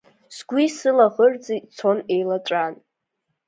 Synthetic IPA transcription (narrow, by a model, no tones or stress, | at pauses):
sɡʷisɨlaʁərd͡zit͡sʰo̞ne̞jlaʈ͡ʂʷʼan